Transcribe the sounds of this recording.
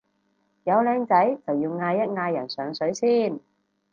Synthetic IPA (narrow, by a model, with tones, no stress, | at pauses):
jɐ˨˧wlɛː˨˧ŋt͡sɐ˨˥jt͡sɐ˨wjiː˧wŋaː˧jːɐ˥t̚ŋaː˧jɐ˨˩nsœː˨˧ŋsɵ˨˥ɥsiː˥n